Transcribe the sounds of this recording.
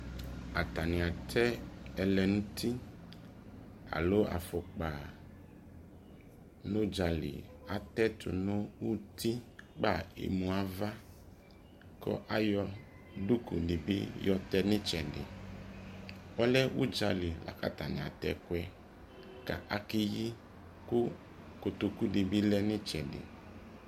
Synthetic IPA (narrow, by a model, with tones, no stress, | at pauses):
a˨t̪a˨nɪ̃˨a˨t̪ʰɛ˦ɛ˨lɛ˨nũ˦t̪ʰi˦ | a̰˨lo˦a̰˨fɔ˨k͡pa˨ | nʊ̃˦d͡ʒa˨lɪ̰˨ | a˨t̪ɛ˦t̪ʰʊ̰˨nõ˦wu˦t̪ʰi˦k͡pa˦˨ḛ˨mũ˨a˨va˦ | kɔ̰˦ʔa˦jɔ˦ | du˦ku˨dɪ˨bɪ̰˦jɔ˦tɛ˦nɪ˦t͡ʃɛ˨dɪ̰˨ | ɔ˦lɛ˦wu˦d͡ʒa˨lɪ˨la̰˨ka˦ta˨nɪ˨a̰˨tɛ̰˨kʊ˦ɛ˦ | ka̰˨ʔa˨kɪ˦ji˦ | kʊ˦ | ko˨to˨ku˦dɪ˨bi˦lɛ˦nɪ˦t͡ʃɛ˨dɪ̰˨